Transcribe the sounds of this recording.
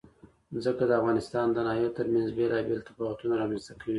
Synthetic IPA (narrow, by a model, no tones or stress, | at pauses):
zəkad̪əafɣɑnɪst̪ɑnd̪ənɑɦjot̪əɾmanzbelɑbelt̪abɑwat̪unaɾɑmanzt̪akʰawi